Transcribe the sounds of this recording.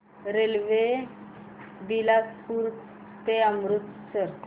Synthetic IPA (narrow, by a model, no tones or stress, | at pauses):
ɾelʋe | bilaspuɾ | t̪eəmɾut̪səɾ